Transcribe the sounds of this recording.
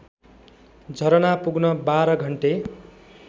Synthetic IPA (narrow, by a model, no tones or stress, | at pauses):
d͡zʱʌɾʌnapuɡnʌbaɾʌɡʱʌɳʈe